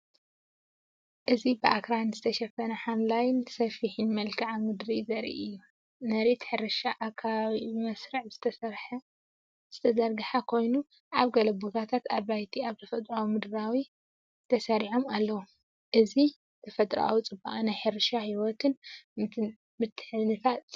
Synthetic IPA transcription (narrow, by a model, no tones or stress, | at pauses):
ʔɨzibɨʔakɾanzɨt̪ʰɐʃɐfɐnɐħamlajɪnsɐfiħinmɐlkʰɨʕamɨd̪ɾizɐɾḭʔɨjːu | nɐɾit̪ħɨɾɨʃaʔakʰaβimɐsɾɨʕbz̥ɨ̥t̪ʰɐsɐɾħɐ | z̥ɨt̪ʰɐzɐɾɡɨħakʰo̞jnu | ʔaβɡɐlɐbuɡat̪ʰat̪aβajt̪ʰiaβt̪ʰɐfɐt̪ʼɾawumɨd̪ɨɾawi | t̪ʰɐsɐɾiʕo̞malːɐwu | ʔɨzi | t̪ʰɐfɐt̪ʼɾa̰wut͡sʼɨbaʔanajħɨɾɨʃahiwɔt̪ʰɨn | mɨt̪ʰːɨ̥ħɨnɨt̪ʰat̪